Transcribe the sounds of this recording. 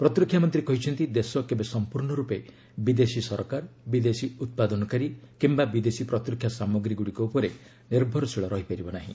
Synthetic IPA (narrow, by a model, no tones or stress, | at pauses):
pɾɔt̪ɾikʰːjamɔnt̪ɾikɔɦit͡ʃʰɔnt̪id̪esɔkebesɔmpuɾɳɔɾupe | bid̪esisɔɾkaɾbid̪esiut̪̚pad̪ɔnɔkaɾikimbabid̪esipɾɔt̪ɾikʰjasamɔɡɾiɡuɽikɔupɔɾe | niɾbʱɔɾɔsiɭɔɾɔɦipaɾibɔnaɦḭ̃